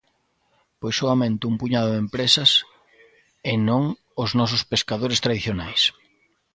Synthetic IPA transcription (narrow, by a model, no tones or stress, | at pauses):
pojsoamẽnt̪ʊumpuɲaðʊðempɾesɐs | enõŋ | ʊznɔsʊspeskaðoɾɪst̪ɾaðiθjonajs